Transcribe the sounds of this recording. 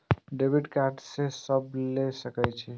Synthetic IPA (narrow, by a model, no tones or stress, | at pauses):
ɖebiʈkaɾɖsesəblesəkəjt͡ʃʰɛ